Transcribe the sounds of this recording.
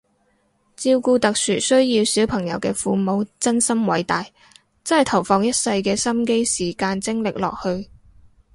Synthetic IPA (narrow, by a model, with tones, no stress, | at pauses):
t͡siː˧wkuː˧t̪ɐ˨k̚syː˨˩sɵ˥ɥjiː˧wsi˨˥wpʰɐ˨˩ŋjɐ̰˨˩wkɛː˧fuː˨˧mo˨˧wt͡sɐ˥nsɐ˥mwɐ˨˥jt̪aː˨j | t͡sɐ˥nhɐ˨˩jt̪ʰɐ˨˩wfɔː˨˧ŋjɐ˥t̚sɐ˧jkɛː˧sɐ˥mke˥jsiː˨˩kaː˧nt͡sɪ˥ŋlɪ˨k̚lɔ̰ː˨k̚hɵ˧ɥ